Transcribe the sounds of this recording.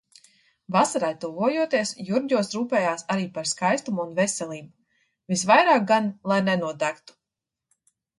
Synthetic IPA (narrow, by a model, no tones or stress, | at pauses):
vasaɾajt̪uvuɔjuɔt̪iɛsjuɾɟʲuɔsɾuːpɛːjaːsaɾiːpaɾskajst̪umunvɛsɛlˠiːbu | visvajɾaːk̚ɡanlˠajnɛnuɔd̪ækt̪u̥